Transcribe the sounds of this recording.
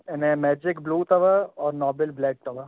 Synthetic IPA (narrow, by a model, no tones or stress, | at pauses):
ɪnemɛːd͡ʒɪkbluːt̪ɐʋəɔːɾnɔːbɪlblɛːʈ̚ʈɐʋə